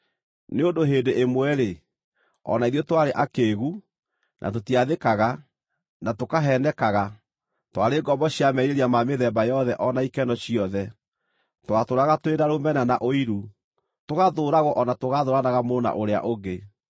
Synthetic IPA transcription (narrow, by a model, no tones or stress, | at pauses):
neondoɦeːndeʔemwɛɾe | ɔ̰naiðjɔtwaɾeʔakeːɣu | nʔa̰t̬otiaðekaɣa | natokaɦɛnɛkaɣa | twaɾeɡɔmbɔɕiamɛɾeɾiamameðɛmbajɔðɛʔɔnaikɛnɔɕiɔðɛ | twatoɾaɣatoweɾaɾomɛnanaʔoiɾu | toɣaðoɾaɣɔʔɔnatoɣaðoɾanaɣamona̰ʔoɾea̰ʔoɡe